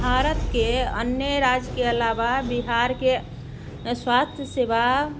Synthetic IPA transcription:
bʱaɾət̪keə̰njəɾad͡ʒkeəlababiɦaɾke | swast̪ʰjəseba

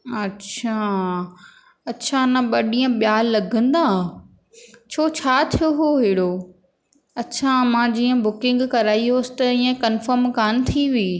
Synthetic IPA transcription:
ɐtt͡ɕʰaː | ɐtːt͡ɕʰanɐɓɐɗiːə̃ɓjaːlɐɡʱə̃nd̪aː | t͡ɕʰoːt͡ɕʰaːt̪ʰijoɦoɦɪːɽoː | ɐtːt͡ɕʰamãːd͡ʑiːə̃bʊkɪ̃ŋɡkɐɾaːiɦoːsɪ̥t̪ɐĩːə̃kɐnfəɾmkaːnɪ̆t̪ʰiʋiː

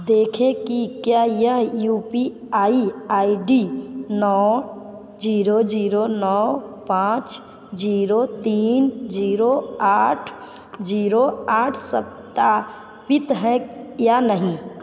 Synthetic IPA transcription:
d̪eːkʰekikjajəɦjuːpi | aːiaːiɖinɔː | d͡ʒiːɾod͡ʒiːɾonɔːpãːt͡ʃ | d͡ʒiːɾot̪iːnd͡ʒiːɾoaːʈʰ | d͡ʒiːɾoaːʈʰsəp̚t̪a | pɪt̪ɦɛ̃janəɦĩ

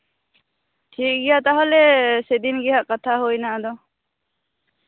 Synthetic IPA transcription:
ʈʰiːk̚ɡijat̪aɦɔlesed̪inɡiɦaʔkət̪ʰaɦoːjnad̪ɔ

